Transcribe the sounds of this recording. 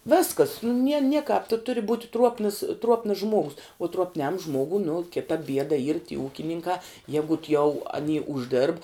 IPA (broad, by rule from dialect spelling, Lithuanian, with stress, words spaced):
ˈʋʲɪskɐs nʊ nʲiɛ ˈnʲiɛkɐp tʊ tʊrʲɪ buːtʲ ˈtruɔpnəs ˈtruɔpnəs ˈʒmuɔɡʊs ʊ truɔpʲˈnʲɛm ˈʒmuɔɡʊ nʊ ˈkʲɪtɐ ˈbʲiɛdɐ iːr tʲiː ˈuːkʲɪnʲɪŋkɑː ˈjæːɡʊt jɛʊ ɐˈnʲiː ʊʒʲˈdʲeːrp